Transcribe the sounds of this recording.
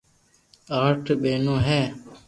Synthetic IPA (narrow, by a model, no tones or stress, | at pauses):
aːʈʰɓeːnõːɦɛː